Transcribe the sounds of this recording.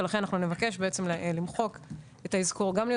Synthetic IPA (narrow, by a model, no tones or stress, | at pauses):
elaχenanaχnune̞vake̞ʃ̬be̞et͡se̞mllimχo̞k | etaizko̞ʁɡamlij